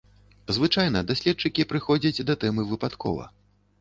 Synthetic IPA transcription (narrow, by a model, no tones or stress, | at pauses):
zvɨt͡ʂajn̪ɐd̪asʲlʲɛt̚t͡ʂɨkʲipɾɨxɔd͡zʲɐt͡sʲd̪ɐt̪ɛmɨvɨpat̪kʰɔ̰vɐ̰